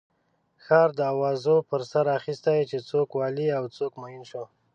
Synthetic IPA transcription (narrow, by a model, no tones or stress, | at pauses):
xɑɾd̪əawɑzopəɾsaɾaxist̪ajt͡ʃet͡sokwɑliawt͡sokmajinʃo